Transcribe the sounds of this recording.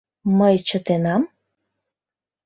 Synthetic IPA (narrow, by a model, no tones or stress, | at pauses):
məjt͡ɕət̪enɑm